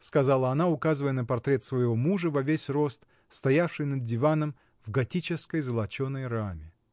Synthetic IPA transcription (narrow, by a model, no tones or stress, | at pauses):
skɐzalˠəɐnaʊkazɨvəjənəpɐrt̪ɾʲe̞t̪svəjɪvomuʐəvɐvʲesʲro̞st̪ | st̪ɐjafʂɨjnəd̪̚dʲɪvanəm | vɡɐtʲit͡ɕɪskəjzəlˠɐt͡ɕonːəjramʲɪ